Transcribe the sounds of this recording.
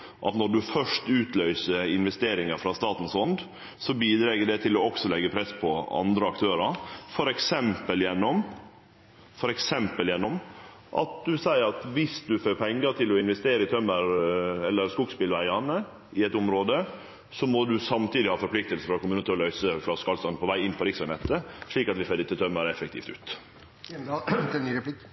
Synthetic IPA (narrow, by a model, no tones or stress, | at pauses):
ʔɑ̰t̪nɔɖʉfœʂtʉːt̪lœʏsəɾɪnʋɛst̪eːɾɪŋɑɾfɾɑst̪ɑːt̪n̩sɔnd̪ | sɔbiːd̪ɾɛːɡəɖɛt̪ʰɪlɔɔksɔlɛɡəpʰɾɛspʰɔɑ̰nd̪ɾəɑkt̪ʰøːɾɑɾfɔɾɛksɛmpəljɛnːɔm | fɔɾɛksɛmpəljɛnːɔm | ʔɑ̰t̪̚d̪ʉsæɪəɾɑt̪ʋɪsd̪ʉføːɾpʰɛŋːəɾt̪ʰɪlɔɪnʋɛst̪eːɾəɪt̪ʰœmːəɾɛlːəɾskʊɡspɪlʋæɪɑnə | ɪɛt̪ʊmɾoːd̪ə | sɔmɔd̪ʉsɑmt̪iːd̪ɪhɑːfɔɾpʰlɪk̚t̪əlsəfɾɑkʊmʉːnət̪ɔlœʏsəfɾɑskɑlst̪ɑnpʰɔʋæɪɪnːpʰɔɾɪksɑnɛt̪ːəʂɭiːkɑt̪ʋɪføːd̪ɛt̪ːət̪ʰœmːəɾɛfɛkt̪ḭːft̪ʉ̰ːt̪ | p